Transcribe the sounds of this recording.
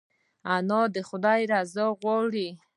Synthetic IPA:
anɔd̪əχʊd̪ajɾazɔɣwɔɽi

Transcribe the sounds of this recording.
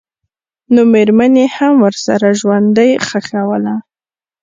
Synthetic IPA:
nomeɾmanehamwəɾsa̰ɾaʒwand̪əjxəxawəla

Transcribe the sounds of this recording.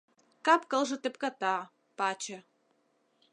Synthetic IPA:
kɑpkɤ̆lʒɤ̆t̪ĕpkɑt̪ɑ | pɑt͡ɕə̆

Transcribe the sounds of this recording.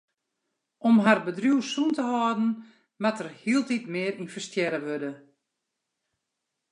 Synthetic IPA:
ʔɔmɦarbədrjuwsuntəhɔːdn̩ | matərhiəlˠtitmɪəɾinfərstjɛɾəʋødə

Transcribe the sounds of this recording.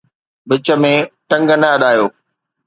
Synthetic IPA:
bɪt͡ɕə̆mẽʈɐ̃ŋɡənɐɐɗaːjoː

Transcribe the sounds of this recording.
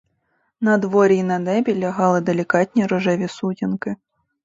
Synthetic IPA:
nɐd̪ʋɔɾʲinɐd̪ɛbʲilʲɐɦɑlˠɪd̪elʲikɑtʲnʲiɾɔʒɛʋʲisutʲinkɪ

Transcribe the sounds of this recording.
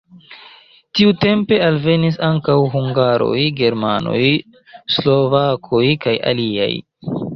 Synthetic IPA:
tiute̞mpe̞alve̞nis̬aŋkawɦuŋɡaɾo̞̰jɡe̞ɾmano̞̰j | slo̞vakʰo̞jkajʔa̰lia̰j

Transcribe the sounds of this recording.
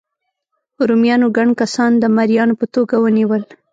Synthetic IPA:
ɾumjɑnoɡaɳkasɑnd̪əmaɾijɑnopət̪oɡawəniwəl

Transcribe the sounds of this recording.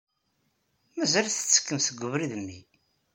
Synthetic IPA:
mæzæɾθə̥t͡sːə̥kːəmθəɡʷːʊvɾiðəmːḭ

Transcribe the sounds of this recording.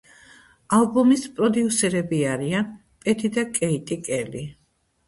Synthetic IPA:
alˠbumispʼɾɔd̪iusɛɾɛbiaɾian | pʼɛt̪ʰid̪akʼɛit̪ʼikʼɛli

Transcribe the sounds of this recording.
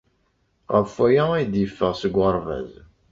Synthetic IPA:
ʁəfæjææjd̪jəfːəʁsəɡʷːəɾˤvæ̰z

